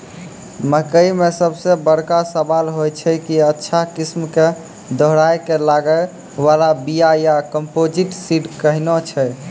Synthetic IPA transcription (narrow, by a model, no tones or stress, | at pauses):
məkəjmesəbsebəɽkasəbalɦojt͡ʃʰɛkiətːʃʰakismke | d̪ʱɔɦɾajkelaɡə | ʋalabijajakəmpod͡ʒiʈsiɖkəɦinɔt͡ʃʰɛ